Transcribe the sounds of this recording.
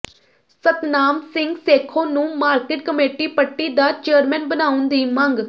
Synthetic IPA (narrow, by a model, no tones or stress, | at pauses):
sət̪naːmsɪŋɡseːkʰõːnũːmaːɾkeːʈkəmeːʈiːpəʈːiːd̪aːt͡ʃeːɾmɛ̃ːnbənaːʊnd̪iːməŋɡ